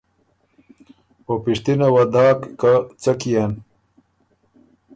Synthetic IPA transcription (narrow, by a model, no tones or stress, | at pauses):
opiʂt̪inawɐd̪aːkːat͡sɐkijan